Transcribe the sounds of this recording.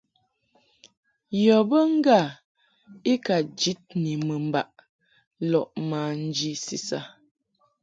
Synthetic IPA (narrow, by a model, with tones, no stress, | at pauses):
jɔ˨bə˦ŋ̩˦ɡa˦˨ | i˦ka˨d͡ʒi˨˦t̚ni˨mə˨m̩˨ba˨ʔ | lɔ˨ʔmaː˨n̩˦d͡ʒi˦si˨sa˦